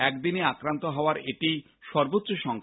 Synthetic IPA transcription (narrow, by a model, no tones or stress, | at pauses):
ɛkd̪ineakɾant̪oɦɔoaɾeʈi | ʃɔɾbot̪ːɕoʃɔŋkʰ